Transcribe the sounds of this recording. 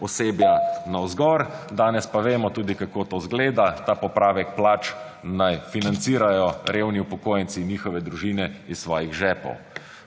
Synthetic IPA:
ɔseːbjanawzɡɔɾd̪aːnɛspaʋeːmɔt̪uːd̪ikakoːt̪oːzɡleːd̪at̪aːpɔpɾaːʋɛk̚plaːt͡ʃ | najfinant̪siːɾajɔɾeːwniupɔkoːjənsinjiːxɔʋɛd̪ɾuʒiːnɛissʋɔːjiɣʒɛːpɔ̰w

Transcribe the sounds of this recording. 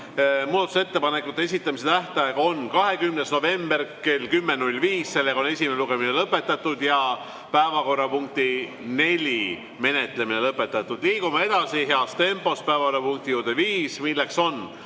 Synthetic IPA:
muːd̪ɑt̪uset̪ːe̞pɑnekːˑut̪ːˑe̞e̞sit̪ˑːɑmis̬e̞t̪æht̪ˑɑjeɡɑo̞nkɑɦe̞kymne̞sno̞ve̞mbe̞rke̞lkymːenulʲːviːsse̞lːe̞ɡɑo̞ne̞sʲimeneluɡe̞mine̞lɤpːˑe̞t̪ːˑɑt̪ːˑud̪jɑ | pæevɑko̞rːɑpuŋk̚t̪i | ne̞lʲi | me̞ne̞t̪le̞mine̞lɤpːˑe̞t̪ːˑɑt̪ːˑud̪̥liːkumɑe̞d̪̥ɑsiɦe̞ɑst̪e̞mpˑo̞spæevɑorːɑpuŋkt̪ijuːd̪̥eviːsmilːe̞kso̞n

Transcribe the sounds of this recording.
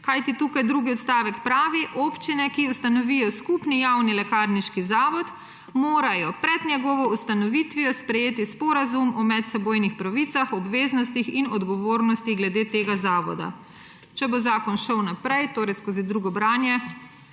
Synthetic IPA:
kajt̪it̪uːkajd̪ɾuːɡiɔt̪st̪aːʋɛkpɾaːʋiʔopt͡ʃinɛkiust̪anɔʋijɔskupnijawnilɛkaːɾniʃkizaːʋɔt̪ | moːɾajɔpɾɛd̪nʲjɛɡɔʋɔust̪anɔʋit̪ʋijɔspɾɛjeːt̪ispɔɾazumɔmɛt̪sɛboːjnixpɾaʋit̪saxɔbʋeːznɔst̪ixinɔd̪ɡɔʋoːɾnɔst̪iɣɡlɛd̪eːt̪eːɡazaːʋɔ̰d̪a̰ | t͡ʃɛbozaːkɔnʃəwnapɾɛjt̪oːɾɛjskoːzid̪ɾuɡɔbɾaːnjɛ

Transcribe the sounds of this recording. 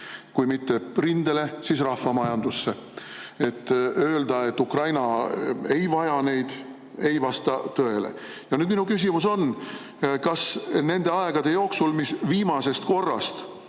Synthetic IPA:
kujmit̪ːe̞rind̪ele̞sis̬rɑhvɑmɑjɑnd̪̥usːe̞ | e̞t̪ːˑø̞ːld̪ɑe̞t̪ːˑukrɑjnɑejvɑjɑne̞jd̪̥ | e̞jvɑst̪ɑt̪ɤe̞lḛ | jɑnyːd̪minukys̬imuso̞n | kɑsne̞nd̪̥e̞ɑe̞ɡ̥ɑd̪̥e̞jo̞ːksulmisviːmɑse̞st̪ko̞rːɑ̰st̪

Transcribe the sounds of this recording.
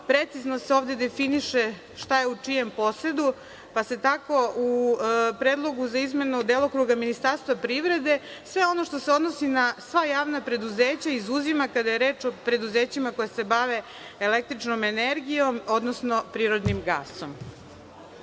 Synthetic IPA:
pɾet̪siznoseo̞ːvd̪e̞d̪e̞finiʃe | ʃt̪ajeut͡ʂije̞mpo̞sɾe̞d̪u | pase̞t̪ako̞upɾeːd̪lˠo̞ɡuzaizme̞nud̪eːlˠokɾuɡaminist̪aɾst̪ʋapɾiʋɾe̞d̪e̞sʋe̞o̞no̞ʃt̪ose̞o̞d̪nosinasʋajaːʋnapɾe̞d̪uzeːt͡ɕaizuzimakad̪ajeɾeːt͡ʃopɾe̞d̪uzeːt͡ɕimako̞jase̞baʋeː | lek̚t̪ɾit͡ʂnome̞neɾɡijo̞mo̞d̪nosno̞pɾiːɾo̞d̪nimɡa̰ːsom

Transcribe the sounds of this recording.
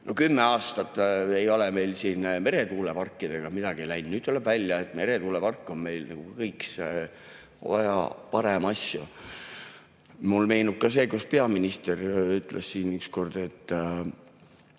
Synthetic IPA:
nʔo̞kymːeɑːst̪ɑt̪ːˑe̞jo̞lɛme̞jlsiːnme̞ɾe̞t̪uːlepɑrkːˑid̪̥e̞ɡ̥ɑmid̪ɑɡ̥ielæjnnyːd̪̥̚t̪ulɛb̥vælʲjɑet̪ːme̞ɾe̞t̪uːlepɑrkːˑonme̞jlnɑ̰ɡ̥ukɤjkse | æ̰jɑ̰pɑɾe̞mɑsju | mulme̞jnub̥̚kɑs̬e̞ːkuspe̞ɑminʲist̪eryt̪ːˑlʔessiːnyksko̞rd̪̥e̞t̪ːˑ

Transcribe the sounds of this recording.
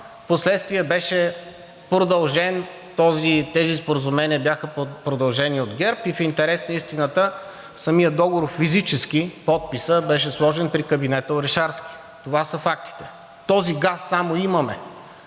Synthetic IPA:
poslɛt̪st̪viəbɛʃɛ | pɾod̪ɐlˠʒɛn | t̪ɔzit̪ɛzispoɾəzʊmɛniəbjaxəpɾod̪ɐlˠʒɛniod̪ɡʲɛɾpifint̪ɛɾɛsnəist̪inət̪ə | sɐmijəd̪ɔɡoɾofːizit͡ʃɛsk̟ipɔt̪̚pisəbɛʃ̬ɛslˠɔʒɛnpɾikəbinɛt̪əoɾɛʃaɾsk̟i̥ | t̪ovasəfak̚t̪i̥t̪ɛ̥ | t̪ɔziɡasːamoimɐmɛ

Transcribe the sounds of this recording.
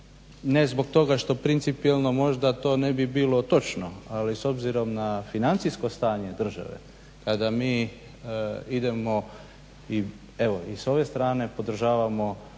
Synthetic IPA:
ne̞zbo̞ɡ̚t̪o̞ɡaʃt̪o̞pɾint̪sipielˠno̞mo̞ʒd̪at̪o̞ːnebibiːlo̞t̪o̞t͡ʃno̞aliso̞bziɾo̞mnafinant̪sisko̞st̪aːɲe̞d̪r̩ʒa̰ʋe̞̰ | kad̪amiː | id̪e̞mo̞ | i | eʋo̞iso̞ʋe̞st̪ɾaːne̞po̞d̪r̩ʒaːʋamo̞

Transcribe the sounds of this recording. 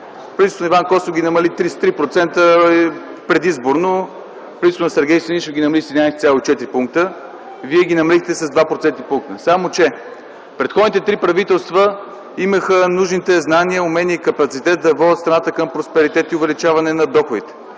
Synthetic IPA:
pɾint̪onivankɔsovɡʲinɐmɐlit̪ɾist̪ɾipɾot̪sɛnt̪ə | pɾɛd̪izboɾno | pɾʲit̪t̪onɐsɛɾɡʲɛjseniʃɡʲinɐmɐlisd̪inajsɛt̪sʲalˠoit͡ʃɛt̪ɾipuŋk̚t̪ə | viɛɡʲinɐmɐlixt̪ɛsəzd̪vapɾot̪sɛnt̪ipuŋk̚t̪əsamot͡ʃɛ | pɾɛt̪xɔd̪nit̪ɛt̪ɾipɾɐvit̪ɛlˠst̪və | iməxənuʒnit̪ɛznaniəʊmɛniəikɐpɐt̪sit̪ɛt̪̚d̪ɐvɔət̪st̪ɾɐnat̪əkəmpɾospɛɾit̪ɛt̪iʊvɛlit͡ʃavɐnɛnɐd̪ɔxʊd̪it̪ɛ̥

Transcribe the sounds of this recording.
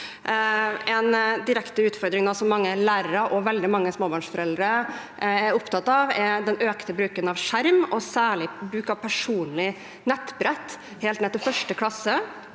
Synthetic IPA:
ɛnd̪ɪɾɛkt̪əʉːt̪fɔɾd̪ɾɪŋnɑsɔmːɑŋːəlæːɾəɾəʔɔʋɛld̪ɪmɑŋːəsmoːbɑːɳʂfɔɾɛld̪əɾə | æɾʊpt̪ʰɑt̪ːɑʋɛd̪ɛnøːkt̪əbɾʉːkənɑʋʂæɾmɔsæːɭɪbɾʉːkɑʋpʰæʂuːnlɪ | nɛt̪ːbɾɛt̪ː | heːlt̪nɛt̪ːɪfœʂʈəkʰlɑsːə

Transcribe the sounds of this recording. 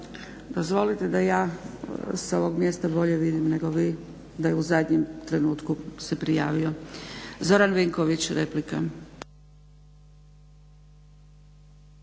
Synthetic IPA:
d̪ozʋo̞lit̪e̞d̪ajaː | so̞ʋo̞ɡmje̞st̪abo̞ʎe̞ʋid̪imne̞ɡo̞ʋiː | d̪ajeuzad̪ɲemt̪ɾe̞nuːt̪kuse̞pɾijaːʋio̞zo̞ɾanʋeŋko̞ʋit͡ɕɾeplika

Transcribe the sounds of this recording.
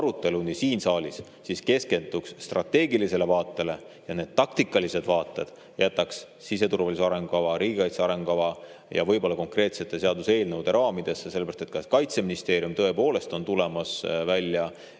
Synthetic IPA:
ɑɾut̪ːˑe̞lunisiːnsɑːlʲisːiske̞ske̞nd̪̥uksːt̪rɑt̪ːe̞ːɡilise̞le̞vɑːt̪ːˑe̞le̞ | jɑne̞ːd̪̥̚t̪ːɑkt̪ikːˑɑlise̞d̪̥vɑːt̪ːˑe̞d̪̥ | jæt̪ːˑɑks | sise̞t̪uɾvɑliseɑɾe̞ŋɡukɑvɑɾiːɡikɑjt̪seɑɾe̞ŋɡukɑvɑ | jɑ̰vɤjbo̞lːɑko̞ŋkre̞ːt̪se̞t̪ˑːe̞se̞ɑd̪use̞ːlnəwd̪̥e̞ɾʔɑːmid̪̥e̞sːese̞lːɾɑst̪e̥t̪kɑskɑjt̪se̞minist̪e̞ːɾiumt̪ɤe̞po̞ːle̞st̪o̞nt̪ule̞mɑsvælʲːjɑ

